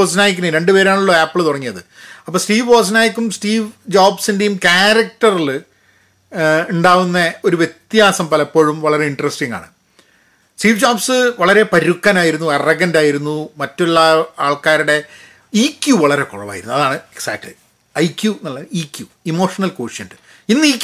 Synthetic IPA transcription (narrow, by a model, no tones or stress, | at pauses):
oːsnaːjik̬ʲːunːɨɾe̞ɳɖɨpe̞ːɾaːɳuɭːɐaːpːɨɭt̪uɽɐŋːijɐðɨɐpːoːsʈiːʋoːs̬naːjikʲːumsʈiːʋd͡ʑaːbsinde̞jumkaːɾɐk̚tɐrilɨ | uɳɖaːʋunːɐo̞ɾuʋje̞t̪jaːsɐmpɐlɐpːo̞ːɻumʋɐɭɐɾe̞iɳɖrɐsʈiŋɡa̰ːɳɨ | sʈiːʋd͡ʑaːbsɨʋɐɭɐɾe̞pɐɾukːɐnaːjiɾunːuerɐɣɐndaːjiɾunːumɐtːuɭːɐaːɭkaːɾuɽe̞ | iːkʲːjuʋɐɭɐɾe̞koɻɐʋa̰ːjḭɾunːuɐðaːɳɨeksaːjk̚ʈlɨ̰ | ɐjkjunɐɭːɐiːkʲːju | imo̞ːʂɐnɐlkoːʂjɐnɖɨ | inːɨiːk